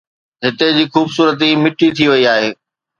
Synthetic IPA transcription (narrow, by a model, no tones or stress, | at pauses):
ɦɪt̪ed͡ʑiːxuːbsuːɾət̪̬imɪʈit̪ʰiʋɐiaːɦeː